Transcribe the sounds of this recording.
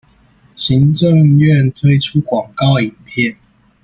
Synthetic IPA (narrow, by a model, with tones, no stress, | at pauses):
ɕi˨˦ŋʈ͡ʂə˥˨ŋɥɛ˥˨nt̪ʰwe˥ɪʈ͡ʂʰu˦kwɑ˨˩ŋkɑ˥˩ʊi˨˩npʰjɛ˥˨n